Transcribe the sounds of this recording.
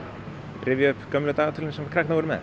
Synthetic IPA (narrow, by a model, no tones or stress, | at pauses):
rʔɪːvjɪʏhpkœmlʏt̪aːɣat̪ʰʏlnsɛmfkʰɾak̚navɔɾʏmɛ̰